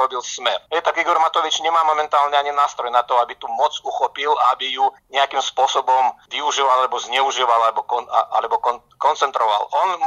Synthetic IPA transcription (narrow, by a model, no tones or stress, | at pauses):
ɔbilsmɛɾɦɛt̪aɡiɡɔɾmat̪ɔʋit͡ʃɲɛmaːmɔmɛnt̪aːlɲɛaɲinaːst̪ɾɔjnat̪ɔabit̪umɔd͡zuxɔpilaabijuɲɛakimspʊɔsɔbɔmʋiuʒiːʋalalɛbɔzɲɛuʒiːʋalalɛbɔkɔaʔa̰lɛbɔkɔ | kɔnt͡sɛnt̪ɾɔʋa̰lɔn